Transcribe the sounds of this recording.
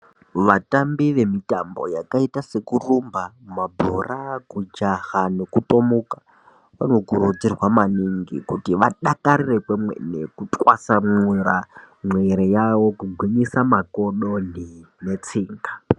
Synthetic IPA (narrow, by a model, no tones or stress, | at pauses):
ʋatambiʋe̞mitambo̞̰jakaitase̞kurumbamabʱo̰rakud͡ʒahane̞kuto̞mukḁ | ʋa̰no̞kuɾud͡zirwamaniŋɡḭkutiʋaɗakaɾire̞kemwḛnḛkutʼwasamuɾa | mweɾejawo̞kuɡʱwiɲisamako̞ɗo̞ni | net͡siːŋɡa